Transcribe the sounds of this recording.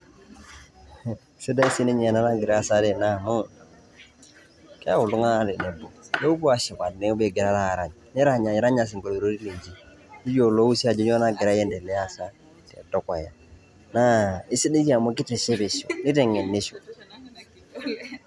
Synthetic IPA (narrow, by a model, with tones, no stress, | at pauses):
se˦da˦i˦si˦ni˦ɲe˨na˦na˦ɡi˨ɾa˦sa˦de˨na˦˨mu˦ | kɛ˦a˦wu˨lu˦ŋa˦ɾi˨ne˨bu˨de˦u˦bu˦a˨ʃi˨ka˨dne˦u˦be˨ɡi˨ɾa˦ɾa˦˨ɾa˨ɲ | ni˦ɾa˦˨ɲa˨ɲ˨˦ɾa˦ɲa˨s̬i˨ŋɡo˨ɾɾo˦ɾi˦le˨d͡ʒi˨ | i˦d͡ʒo˨lo˦u˦si˦a˨d͡ʒi˦ɲo˦na˦ɡi˨ɾa˦jɛ˦nde˨lɛ˦a˦sa˦ | tḛ˨to˦ka˨ja˨ | na˦i˦si˦ni˦d͡ʒi˦a˨mo˦ki˦ti˨ʃe˦bi˨ʃṵ˨ni˦te˨ŋe˨nːi˦ʃu˨